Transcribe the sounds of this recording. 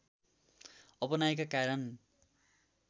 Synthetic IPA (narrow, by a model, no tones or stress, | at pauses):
ʌpʌnaekakaɾʌn